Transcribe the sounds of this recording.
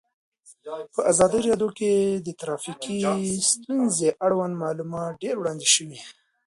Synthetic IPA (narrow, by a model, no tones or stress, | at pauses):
pəʔazɑd̪ijɾɑd̪joked̪ət̪ɾɑfikist̪unzeʔaɽwand̪mɑlumɑt̪̚ɖeɾwɽɑnd̪iʃəwi